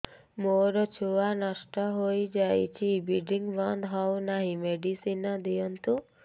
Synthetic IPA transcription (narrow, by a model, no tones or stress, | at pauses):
moɾɔt͡ʃʰuʋanasʈɔɦojd͡ʒajt͡ʃʰibiɖiŋɡbɔnd̪ɦɔwnaɦĩmeɖisinɔd̪ijɔnt̪u